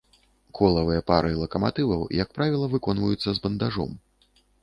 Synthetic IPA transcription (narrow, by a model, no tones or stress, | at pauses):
kʰɔlˠɐvɨjɐpaɾɨlˠɐkɐmat̪ɨvɐwjak̚pɾavʲilˠɐvɨkɔnvɐjut̪sːɐzbɐnd̪aʐɔ̰m